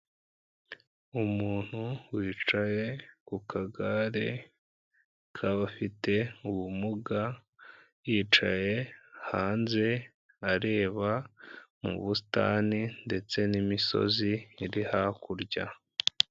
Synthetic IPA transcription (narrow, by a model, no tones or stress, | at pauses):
umuːn̥huwiːt͡ʃaje̞kukʰaɡaɾe̞ | kʰaβafite̞uβumuɡa | jiːt͡ʃaje̞haːnze̞ | aɾe̞ːβamṵβusi̥ta̰ːninde̞t͡se̞nimiso̞̰ziːɾihakuɾɟa̰